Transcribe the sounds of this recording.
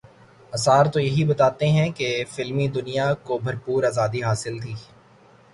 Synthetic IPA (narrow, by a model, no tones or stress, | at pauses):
ɐsaːɾt̪ojɐɦibɐt̪aːt̪eɦɛ̃kefɪlmid̪ʊnijakobʱɐɾpuːɾaːzaːd̪iɦaːsɪlt̪ʰiː